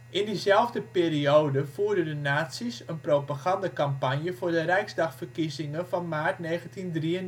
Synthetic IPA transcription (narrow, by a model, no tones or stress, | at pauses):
ʔɪndizɛlˠvdəpeːrioːdəfuːrdədənaːtsisənprowpaɣandəkampanjəvoːrdərɛjkzdɑxfərkizɪŋənfɔnmaːrtneːɣəntindriən